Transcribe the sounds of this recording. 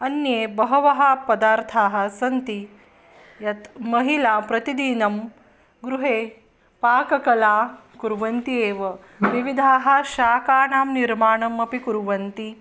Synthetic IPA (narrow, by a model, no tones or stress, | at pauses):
ɐnjeːbɐɦɐʋɐɦɐpɐd̪aːɾt̪ʰaːɦɐ̆sɐnt̪i | jɐt̪mɐɦilaːpɾɐt̪id̪iːnɐm | ɡɾuɦeː | paːkɐkɐlaː | kuɾʋɐnt̪ieːʋɐ | ʋiʋid̪ʱaːɦɐ̆ʃaːkaːnaːmniɾmaːɳɐmɐpikuɾʋɐnt̪i